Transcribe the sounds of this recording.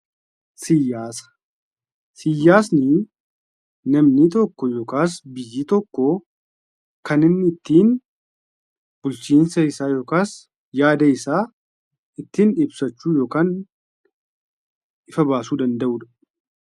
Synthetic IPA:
sɪjːaːsɐ̥ | sɪjːaːsnɪ | nɐmnɪt̪ɔkːɔjoːkaːsbɪjːiːt̪ɔkːɔ | kɐnɪnːɪɪt̪ːiːn | b̥ʊlt͡ʃiːnsɐɪsaːjo̞ːkaːs | jaːd̪ɐɪsaː | ɪt̪ːiːnɪbsɐt͡ʃːuːjo̞ːkaːn | ɪfɐbaːsuːd̪ɐnd̪ɐʔʊːᶑ̪ɐ̥

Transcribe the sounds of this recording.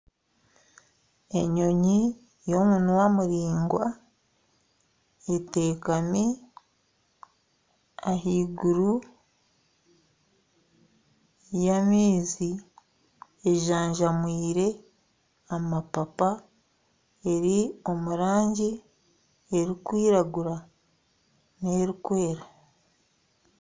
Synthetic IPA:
e̞ɲo̞ɲi | jo̞munwamuɾiːŋɡwa | ete̞ːkami | aɦiːɡuɾu | jamiːzi | eʒaːɲʒamwiːɾe̞ | amapapa | e̞ɾio̞muɾaːɲɟi | eɾikwiːɾaɡuɾa | ne̞ːɾikwe̞ːɾa

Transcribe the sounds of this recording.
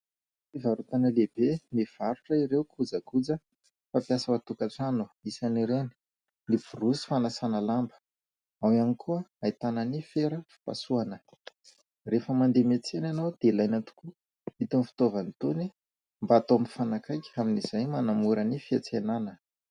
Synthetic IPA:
ivaɾut̪anəleb̥eniv̥aɾuʈ͡ʂəiɾewkʰud͡zəkud͡zə | fapjasəwat̪ukaʈ͡ʂanuisaniɾeni̥ | niv̥urusi̥fanasanalambə̥ | awianikʰuəait̪anənifeɾəfi̥pa̰suanə | refəmand̪emet͡senanawd̪̥eilajnat̪u̥ku | it̪unifi̥t̪ovanit̪oni | mbat̪ompi̥fanakajkʲaminiz̥ajmanamuɾənifiat͡senanə

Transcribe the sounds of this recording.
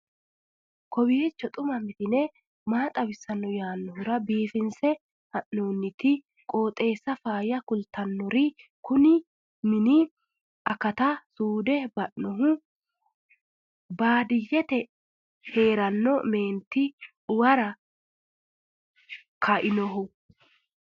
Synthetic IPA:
kɔbɪjɛt͡ʃːɔt̪ʼʊmɐmɪt̪ɪnɛ | maːt̪ʼɐbɪsːɐnːɔjaːnːɔhʊɾɐbiːfɪnsɛ | hɐʔnoːnːɪt̪ɪ | kʼo̞ːt̪ʼe̞ːsːɐfaːjɐkʊlt̪ːɐnːɔɾɪkʊnɪ | mɪnɪ | ʔɐkɐt̪ɐsuːd̪ɛbɐʔnɔɦʊ | baːd̪ɪjːɛt̪ɛ | he̞ːɾɐnːɔme̞ːnt̪ːɪ | ʊwɐɾɐ | kʰɐʔɪnɔɦʊ

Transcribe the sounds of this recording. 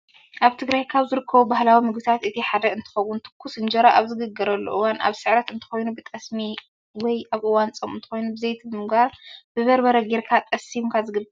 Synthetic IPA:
ʔaβt̪ʰɨɡɾajkʰaβzɨɾɨkʰːɐβubahlawimɨɡbɨt̪ʰat̪ɨt̪ʰiħad̪ɐɨnt̪ʰɨ̥xɐwunt̪ʰɨ̥kʰːusɨnd͡ʒɐɾaʔaβzɨɡɨɡːɐɾɐlːo̰ʔɨwanʔa̰βsɨʕɾɐt̪ɨnt̪ʰɨ̥xo̞jnubɨt̪ʼɐsmi | wɔjʔaβʔɨwant͡sʼɐmɨ̰nt̪ʰɨ̥xo̞jnubɨzejt̪ʰibɨmɨɡbaɾb̥ɨβɐɾbɐɾɐɡeɾkʰat̪ʼɐsimkʰazɨɡɨbːɐɾ

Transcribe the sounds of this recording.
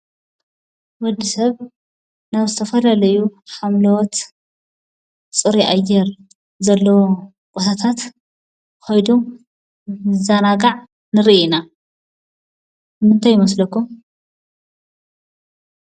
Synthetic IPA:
wɔd̪ːisɐβ | naβzɨt̪ʰɐfɐlɐlɐjuħamlɐwɔt̪ | t͡sʼɨɾiʔajːɛɾ | zɐlːɐwo | kʼɔt̪ʰat̪ʰat̪ | xojd̪um | zanaɡaʕ | nɨɾiʔina | kɨmɨnt̪ʰajːɪmɐslɐkːum

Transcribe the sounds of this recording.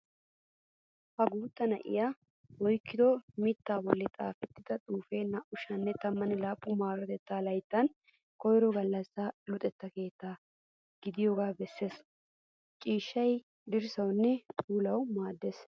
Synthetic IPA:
hɐɡuːt̪ːɐnɐʔɪ̰ja | wɔjkːɪd̪ɔmɪt̪ːaːbɔlːɛt̪ʼa̰ːfɛt̪ːɪd̪ɐt̪ʼuːfe̞ːnɐʔʊʃɐnːɛt̪ɐmːɐnɪlaːpʼːʊmaːɾɔt̪ɛt̪ːaːlɐjt̪ːɐn | kɔjɾɔɡɐlːɐsːaːlʊt̪ʼɛt̪ːɐke̞ːt̪ːaː | ɡ̥ɪd̪ɪjoɡaːbɛsːe̞ːs | t͡ʃʼiːʃːɐj | d̪ɪɾsɐwnːɛt̪ʼuːlɐwmaːd̪ːeːs

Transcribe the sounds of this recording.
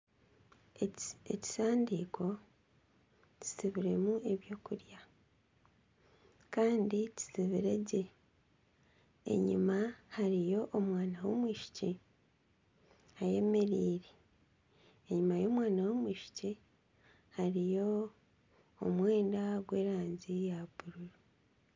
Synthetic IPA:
eci̥saːndiːkʰo̞ | ci̥siβiɾe̞mue̞βjo̞ːkuɾja | kaːndici̥siβiɾe̞ɟe̞ | ɲṵmahaɾijo̞ʔomwaːnawo̞mwiːʃi̥ci | aje̞me̞ɾiːɾe | e̞ɲumajo̞ːmwaːnawo̞mwiːʃi̥ci | haɾijo̞ | mwe̞ːndaɡwe̞ːɾaːɲzijaβuɾuɾu

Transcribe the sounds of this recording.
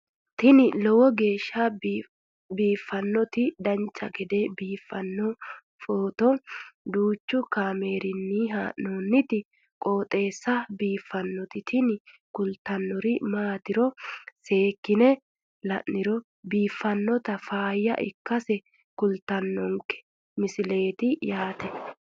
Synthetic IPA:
t̪ɪnɪlɔwɔɡe̞ːʃːɐ | biːfːɐnːɔt̪ɪd̪ɐnt͡ʃːɐɡɛd̪ebiːfːɐnːɔ | foːt̪ɔd̪uːt͡ʃːʊkaːmeːɾɪnːiɦaːʔnoːnːɪt̪ɪ | kʼo̞ːt̪ʼe̞ːsːɐbiːfːɐnːɔt̪ɪt̪ʰɪn | kʊlt̪ɐnːɔɾɪmaːt̪ɪɾɔse̞ːkːɪnɛ | lɐʔːɪɾɔ | biːfːɐnːɔt̪ɐfaːjːɐ̰ʔɪ̰kːɐsɛ | kʊlt̪ɐnːɔŋkɛ̥ | mɪsɪle̞ːt̪ɪjaːt̪ɛ

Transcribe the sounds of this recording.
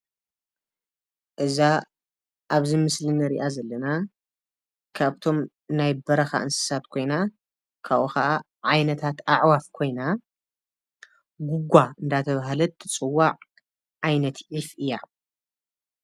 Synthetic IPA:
ʔɨza | ʔaβzimɨslinɐɾiʔazɐlːɐna | kʰaβt̪ʰo̞m | najbɐɾɐxa̰ʔɨnsɨ̥sat̪kʰo̞jna | kʰaʔuxɐʔa | ʕajnɐt̪ʰat̪aʕwafkʰo̞jna | ɡuɡʷaɨnd̪at̪ʰɐβaɦalɐt̪ʰːɨt͡sʼɨwːaʕ | ʕajnɐt̪ʕifʔɨjːa

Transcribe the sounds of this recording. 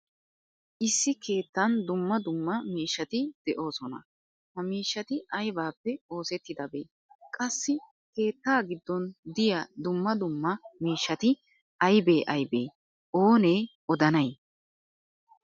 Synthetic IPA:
ʔɪsːɪke̞ːt̪ːɐnd̪ʊmːɐd̪ʊmːɐmiːʃːɐt̪ɪd̪̥ɛʔo̞ːsɔnɐ̰ | hɐmiːʃːɐt̪ɪʔɐjbaːpːɛo̞ːsɛt̪ːɪd̪ɐbḛː | kʼɐsːɪ | ke̞ːt̪ːaːɡɪd̪ːɔnd̪ɪjɐd̪ʊmːɐd̪ʊmːɐmiːʃːɐt̪ɪ | ɐjbeːʔɐjbeː | ʔo̞ːne̞ː | ɔd̪ɐnɐj

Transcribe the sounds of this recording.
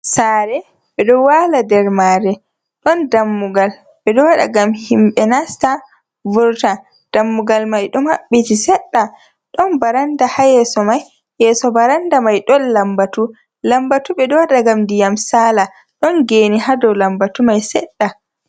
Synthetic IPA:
saɾɛ | ɓɛɗɔwaladɛɾmaɾɛ | ɗɔndamːuɡal | ɓɛɗɔwaɗa̰ɡamhimɓɛnasta | vuɾta | d̥amːuɡalmajɗɔmhaɓːitisɛɗːa | ɗɔnbaɾandahajɛsɔmaj | jɛsɔbaɾandamajɗɔnlambatu | lambatuɓɛdɔwaɗaɡamdijamsaːla | ɗɔnɡeːnihadɔlambatumajsɛɗːa

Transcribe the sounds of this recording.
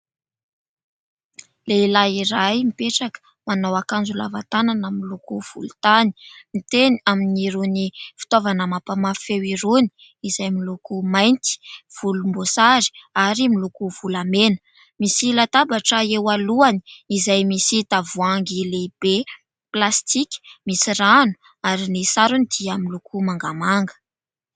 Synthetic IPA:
leilaiɾajmipeʈ͡ʂakə̥ | manawakand͡ʒula̰va̰t̪ananəmilukuv̥ṵlut̪ani̥mit̪eniaminiɾunifi̥t̪ovanəmapəmafewiɾuni̥ | izajmilukumajnt̪i̥v̥ulumbosaɾi̥aɾimilukuv̥ulamenə | misilat̪abaʈ͡ʂəewaluani̥izajmisit̪avuaŋɡileib̥e | plast̪iki̥misiɾanu̥ | aɾinisaɾunid̪̥iamilukumaŋɡamaŋɡə̥

